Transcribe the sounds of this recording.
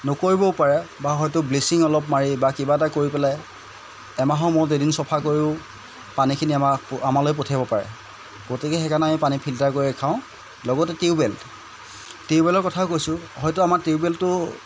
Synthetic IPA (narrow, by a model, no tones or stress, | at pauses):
nʊkoɹibɔpaɹɛbaɦɔjtʊblesiŋɔlɔpmaɹibakibatakoɹipɛlɛ | ɛmaɦɔ̃mʊɹzedinsɔpʰakoɹiʊ | panikʰiniamaamalojp̬otʰajbɔpaɹɛ̰ | potikɛxɛkanamipanipʰiltaɹkoɹiɛkʰaʊ̃ | lɔɡɔtɛtiubɛlt | tiʊbɛlɔɹkɔtʰakojsʊɦɔjtʊamaɹtiubɛltːʊ